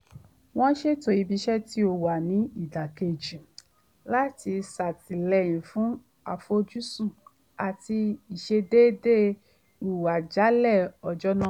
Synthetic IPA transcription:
w̃ɔ̃˦ʃe˦˨to˨i˨˧bi˧˦ʃɛ˦ti˦o˧˨wa˨nĩ˨˦i˦˨da˨ke˨d͡ʒi˨ | la˦ti˧sa˨ti˨lɛ˨j̃ĩ˨fũ˨˦ | a˨fo˧d͡ʒu˦sũ˦˨ | a˨ti˧i˨ʃe˧deː˦de˦ | u˨a˨d͡ʒa˨˦lɛ˦˨ɔ˨d͡ʒɔ˦nã˦˨

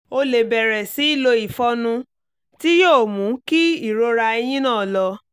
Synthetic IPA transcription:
o˧le˨bɛ˨ɾɛ˨si˨˦i˦˨lo˧i˨fɔ˧˦nũ˧ | ti˦joː˦˨mũ˨˦ki˦i˦˨ɾo˧ɾa˧e˧j̃ĩ˦nãː˦˨lɔ˧

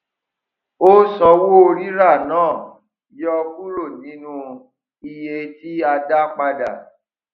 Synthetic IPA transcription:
o˦sɔ̃˧wo˦o˧ɾi˦ɾa˦˨nãː˦˨ | jɔ˧ku˦ɾo˦˨nĩ˨˦nũ˧ | i˧je˧ti˦a˧da˦k͡pa˧da˨

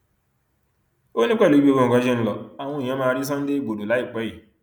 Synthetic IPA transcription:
o˦nĩ˦k͡pɛ˦˨lo˨˦i˦bi˦o˧õ˧˨ɡã˨˦ʃɛ˦ñ̩˦˧lɔ˨a˨w̃ɔ̃˧i˨j̃ã˧˦mãː˦˧ɾi˦s̬ã˦n̩˦de˦i˦˨ɡ͡bo˨do˨la˨˦i˦˨k͡pɛ˨˦i˦˨

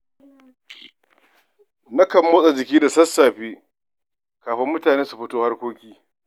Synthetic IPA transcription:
na˦kɐ˨mːoː˦sʼa˨d͡ʒɪ˨kʲiː˦da˨sɐ˦sːaː˨ɸiː˦ | kaː˨ɸɪ˦mːʊ˦taː˨neː˦su˨ɸɪ˦toː˦ha˦rkʷoː˦kʲiː˦

